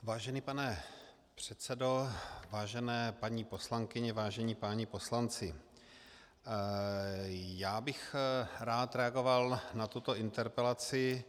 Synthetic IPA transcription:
vaːʒɛnipanɛ | pr̝̥ɛt̪t͡sɛdo̞vaːʒɛnɛːpaɲiːpo̞slaŋkɪɲɛvaːʒɛɲipaːɲipo̞slant͡sɪ | jaːbɪxɾaːt̪ɾɛaɡo̞valnat̪ut̪o̞ɪnt̪ɛɾpɛlat͡sɪ

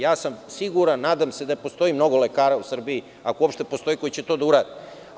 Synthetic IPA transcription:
jaːsamsiɡuɾanːaːd̪amse̞d̪apo̞st̪o̞imno̞ɡo̞lekaːɾausr̩bii | akouopʃt̪e̞po̞st̪o̞jiko̞it͡ɕe̞t̪od̪auɾaːd̪i

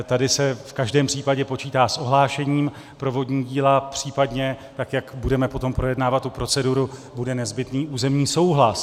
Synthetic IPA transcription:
t̪adɪsɛfkaʒdɛːmpr̝̥iːpaɟɛpo̞t͡ʃiːt̪aːsʔo̞ɦlaːʃɛɲiːm | pɾo̞vo̞dɲiːɟiːlapr̝̥iːpadɲɛt̪akjakbudɛmɛpo̞t̪o̞mpɾo̞jɛdnaːvat̪ːupɾo̞t͡sɛduɾubudɛnɛzbɪt̪niːuːzɛmɲiːso̞wɦlas

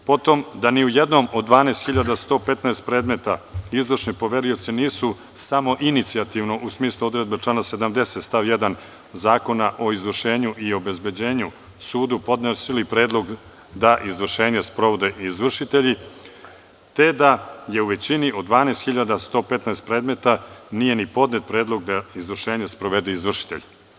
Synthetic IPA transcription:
po̞t̪o̞md̪aniujed̪no̞mo̞d̪ːʋaːneːst̪xiʎad̪ast̪o̞ːpe̞t̪naest̪pɾe̞ːd̪me̞t̪aizʋr̩ʃnipo̞ʋe̞ɾio̞t̪siniːsu | samo̞ʔinit̪siat̪iʋno̞ʔusmiːslˠuo̞d̪ɾe̞d̪̚bet͡ʂlˠanase̞d̪amd̪e̞set̪st̪aʋje̞d̪an | zaːko̞naʔo̞izʋr̩ʃe̞ːɲuʔio̞be̞zbe̞d͡ʑe̞ːɲu | suːd̪upo̞d̪nesilipɾeːd̪lˠo̞ɡ | d̪aʔizʋr̩ʃe̞ːɲespɾoʋod̪eizʋr̩ʃit̪eʎi | t̪e̞d̪aje̞uʋe̞t͡ɕiniʔo̞d̪d̪ʋaːneːst̪xiʎad̪ast̪o̞ːpet̪naest̪̚pɾe̞ːd̪me̞t̪anije̞nipo̞d̪net̪̚pɾeːd̪lˠo̞ɡ̚d̪aizʋr̩ʃeːɲespɾo̞ʋe̞d̪eizʋr̩ʃi̥t̪eʎ

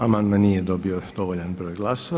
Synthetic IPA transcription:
amanmanijɛd̪ɔbiɔd̪̥ɔvɔʎanbrɔjɡlˠas

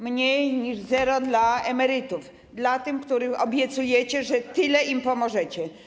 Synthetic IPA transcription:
mɲejɲiʐzɛɾɔd̪laɛmɛɾɪt̪uf | d̪lat̪ɘmkt̪uɾɘxɔbʲjɛt̪sujɛt͡ɕɛʐɛt̪ɘlɛimpɔmɔʐɛt͡ɕɛ

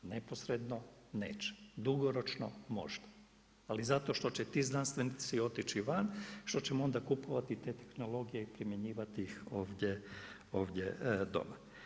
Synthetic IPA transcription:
nepo̞sɾe̞d̪no̞neːt͡ʃe̥d̪uɡo̞ɾo̞t͡ʃno̰mo̞̰ʒd̪ḁ | alizat̪o̞ʃt̪o̞t͡ɕet̪iːznanst̪ʋenit̪sio̞t̪it͡ɕiʋanʃt̪o̞t͡ɕemoo̞nd̪akupoʋat̪it̪e̞t̪e̞̥xno̞lo̞ɡijeipɾimje̞ɲiːʋat̪iixo̞ːʋd̪ʲje | o̞ːʋd̪ʲjḛd̪o̞̰ma

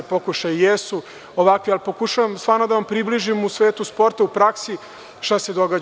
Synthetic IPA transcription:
po̞kuʃajijesu | oʋakʋialpo̞kuʃaʋamst̪ʋaːɾnod̪aʋampɾibliʒimusʋeːt̪uspo̞ɾt̪aupɾaksi | ʃt̪ased̪o̞ɡa

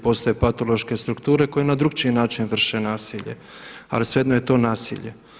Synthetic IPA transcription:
po̞ːst̪ojepat̪o̞lˠo̞ʃke̞st̪ɾukt̪uːɾe̞ko̞jenad̪ɾuɡt͡ʃinaːt͡ʃinʋr̩ʃenaːsiʎe̞̰ | a̰lisʋed̪noje̞t̪o̞ːnaːsḭʎe

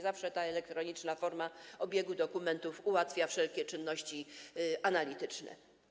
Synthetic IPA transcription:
zafʂɛt̪aɛlɛk̚t̪ɾɔɲit͡ʂnafɔɾmaɔbʲjɛɡud̪ɔkumɛnt̪ufuwat̪fʲjafʂɛlkʲɛt͡ʂɘnːɔɕt͡ɕianalʲit̪ɘt͡ʂnɛ̰

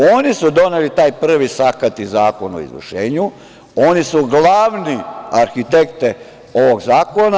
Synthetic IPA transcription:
oːnisud̪o̞nelit̪aːjpr̩ʋisakat̪izaːko̞no̰ḭzʋ̰rʃeːɲu | onisuɡlˠaːʋniaɾxit̪ekt̪e | o̞ʋo̞ɡzaːko̞na

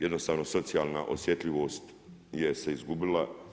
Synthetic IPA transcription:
jed̪no̞st̪aːʋno̞so̞t̪siaːlˠnaʔo̰sje̞t̪lʲiʋo̞ːst̪ | jese̞izɡubila

